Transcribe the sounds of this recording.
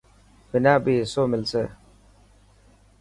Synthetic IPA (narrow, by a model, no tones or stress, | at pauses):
bɪnaːbiːsoːmɪlseː